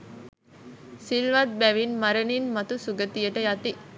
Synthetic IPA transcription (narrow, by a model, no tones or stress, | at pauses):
silʋɐt̪̚bæʋinmɐɾəninmɐt̪usuɡət̪ijəʈəjat̪i